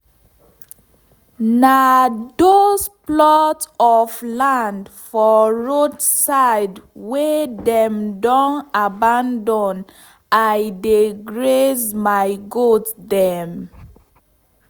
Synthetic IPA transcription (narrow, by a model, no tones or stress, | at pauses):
nadosplɔtɔvlãndfɔɹodsaɪdwedɛ̃mdɔ̃nabãndɔ̃n | ajdeɡɹesmaɪɡotdɛm